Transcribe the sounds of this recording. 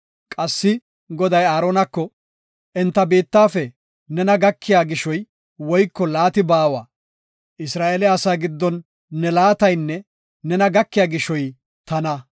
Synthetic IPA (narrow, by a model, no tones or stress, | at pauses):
kʼɐsːɪ | ɡɔd̪ɐjaːɾoːnɐkːɔ | ʔɛnt̪ːɐbeːt̪ːaːfɛ | nɛnɐɡɐkːɪjaːɡɪʃɔj | wɔjkːɔlaːt̪ɪbaːwaː | ʔɪsɾaːʔeːlɛɐsaːɡɪd̪ːɔnː | ɛlaːt̪ɐjnːɛ | nɛnɐɡɐkːɪjaːɡɪʃɔj | t̪ɐnɐ